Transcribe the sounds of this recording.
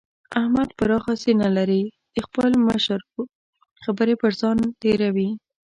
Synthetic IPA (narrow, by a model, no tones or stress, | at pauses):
ahmad̪pəɾɑxasenalaɾi | d̪̥əxpəlməʃəɾ | xabəɾepəɾzɑnʈeɾawi